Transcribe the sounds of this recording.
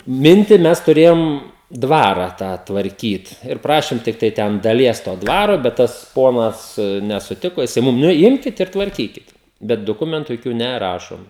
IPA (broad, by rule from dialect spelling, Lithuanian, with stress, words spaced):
ˈmʲɪnʲtʲɪ ˈmʲɛs tʊˈrʲeːjoːm dʋɐrɐ ˈtɑː tʋɐrʲˈkʲiːt ɪr ˈprɑːʃʲɪm ˈtʲɪktɐɪ ˈtʲɛn dɐˈlʲiɛs toː ˈdʋɑːroː bʲɛt ˈtɐs ˈpoːnɐs nʲɛsʊˈtʲɪkoː jɪˈsɐɪ ˈmʊm nʊ ˈjɪmʲkʲɪt ɪr tʋɐrʲˈkʲiːkʲɪt ˈbʲɛt dʊˈkʊmʲɛntʊ joːˈkʲuː nʲɛˈrɑːʃoːm